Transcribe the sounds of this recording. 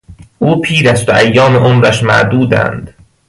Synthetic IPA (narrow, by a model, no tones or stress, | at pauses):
ʔuːpʰiːɾæst̪oʔæjːɒːmeʔomɾæʃmæ̰ʔd̪uːd̪æ̰nd̪̥